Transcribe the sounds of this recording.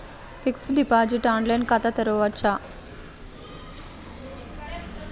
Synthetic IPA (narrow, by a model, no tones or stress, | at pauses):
fʰiksɖipaːd͡ʒiʈaːɳlɐjnkɐt̪ɐt̪ɐɾoʋɐt͡ʃːa